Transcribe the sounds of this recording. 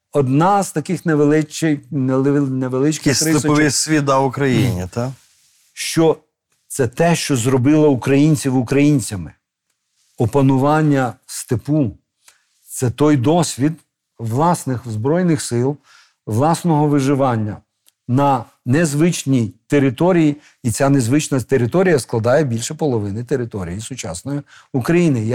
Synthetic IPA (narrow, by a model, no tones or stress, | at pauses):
ɔd̪nɑz̥t̪ɐkɪxneʋelˠɪt͡ʃɪjnneʋelˠɪt͡ʃkɪstɾɪspɔʋɪsʲʋʲid̪ɑʊkɾɐjinʲit̪a | ʃt͡ʃɔ | t̪sɛt̪ɛʃt͡ʃɔzɾɔbɪlˠɐukɾɐjinʲt͡sʲiwʊkɾɐjinʲt͡sʲɐmɪ | ɔpɐnʊʋɑnʲːɐst̪ɪpu | t̪sɛt̪ɔjd̪ɔsʲʋʲid̪ | ʋlˠɑsnɪxzbɾɔjnɪxsɪlˠ | ʋlˠɑsnɔɦɔʋɪʒɪʋɑnʲːɐ | nɐ | nezʋɪt͡ʃnʲijt̪eɾɪt̪ɔɾʲiji | it͡sʲane̞zʋɪt͡ʃnɐt̪eɾɪt̪ɔɾʲijɐsklˠɐd̪ɑjɛbʲilʲʃɛpɔlˠɔʋɪnɪt̪eɾɪt̪ɔɾʲijisʊt͡ʃɑsnɔji | ukɾɐjinɪ